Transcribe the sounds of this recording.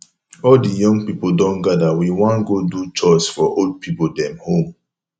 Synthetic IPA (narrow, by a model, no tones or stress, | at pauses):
ɔldijɔ̃ŋɡpipodɔ̃nɡadawiwɔ̃nɡodut͡ʃɔsfɔʔold̚pʰipodɛ̃mhõm